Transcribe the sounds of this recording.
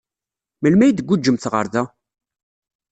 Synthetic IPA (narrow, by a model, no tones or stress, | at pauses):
məlmæjd̪əɡʷːud͡ʒːəmθʁə̰ɾˤðæ